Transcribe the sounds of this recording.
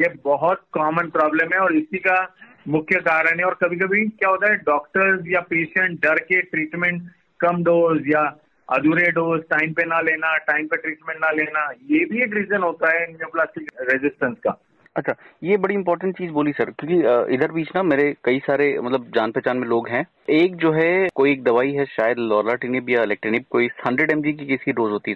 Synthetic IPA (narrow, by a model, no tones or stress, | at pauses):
jebɔɦɔt̪̚kɔːmənpɾɔːbləmɦɛ̃ɔːɾɪsika | mʊkʰjəkaːɾəɽ̃ɦɛ̃ɔːɾkɐbʱikɐbʱikjaːɦoːt̪aɦɛɖɔːkʈəɾzjapeːʃə̃ɳʈ̚ɖɐɾkeʈɾiːʈmɛ̃ɳʈ | kɐmɖoːzja | ɐd̪uːɾeɖoːzʈaːɪ̃mpenaleːnaʈãːɪ̃mpeʈɾiːʈmɛ̃ɳʈnaleːnajebʱieːkɾiːzənɦoːt̪aɦɛnmoplaːsʈɪkɾezɪsʈə̃nskaː | ɐtːʃʰaːjeːbɐɽiɪ̃mpɔːɾʈə̃ɳʈt͡ʃiːzboːlisɐɾkjõːkiɪd̪əɾbiːt͡ʃnameːɾekɐisaːɾemɐt̪ləb̚d͡ʒaːnpɛːt͡ʃaːnmẽloːɡɦɛ̃ː | eːk̚d͡ʒoːɦɛkoːieːk̚d̪ɐʋaːiɦɛʃaːjəd̪lɔːɾlaːʈinɪpjaɪlɛːk̚ʈɾinɪb̚koːishɐ̃ɳɖɾeɖɛ̃ːmd͡ʒik̬ikɛsikiɖoːzɦoːt̪iɦɛ